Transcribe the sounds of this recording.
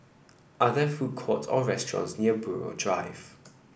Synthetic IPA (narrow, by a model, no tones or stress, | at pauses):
ʔaðəfud̚kʰɔtsɔɹɛstɹɔ̰̃nsniəbuɹo̰dɹaɪv̥